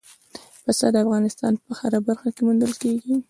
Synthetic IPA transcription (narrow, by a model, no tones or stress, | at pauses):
pasad̪əafɣɑnɪst̪ɑ̰npəxaɾabaɾxakemund̪əlkeɡi